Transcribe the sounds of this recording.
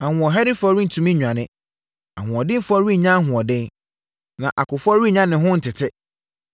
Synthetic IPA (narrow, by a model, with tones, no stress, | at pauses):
a˨hʊ̃˨ɔ˨ɦɛ˦dɪ˦fɔ˦ɾi˦n̩˨tʰũ˨mĩ˦ɲᶣu˨ã˨nɪ̃˦ | a̰˨hʊ̃˨ɔ˨dɪ̃˦n˦fɔ˦ɾi˦˨ɲã˦ɦʊ̃˨ɔ˨dɪ̃˦n | nã˨ʔa˨kʊ˨fɔ˦ɾi˦˨ɲã˦nɪ̃˨ɦʊ̃˦n̩˨tʰɪ˨tʰɪ˦